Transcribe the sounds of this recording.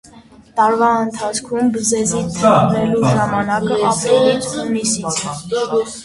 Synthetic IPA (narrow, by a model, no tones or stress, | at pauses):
t̪ɑɾvɑənt̪ʰɑt͡sʰkʰumbəzɛzit̪ʰːəʁʁɛluʒɑmɑnɑkəɑpɾɛlɛhunisit͡sʰ